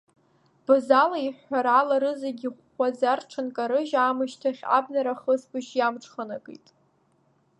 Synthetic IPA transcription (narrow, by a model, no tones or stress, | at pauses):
b̥ɨzalaiħʷːaɾalaɾɨzaɡʲiχʷazarʈ͡ʂʰankʼaɾɨʒaːmɨʃtʰaχʲa̰bnaɾaχəsbʼɨʃjamʈ͡ʂʰχanakʼḭjtʼ